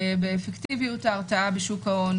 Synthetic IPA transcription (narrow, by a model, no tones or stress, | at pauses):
beːfektivijutaːʁtaabeʃukaon